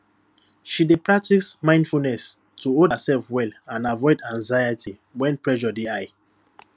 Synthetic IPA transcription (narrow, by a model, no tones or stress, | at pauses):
ʃidepɹak̚tismãɪ̃ndfulnɛs | tʰuoəsɛlfwɛlãnavɔɪdãŋzajəti | wɛ̃npɹɛʒɔdeaɪ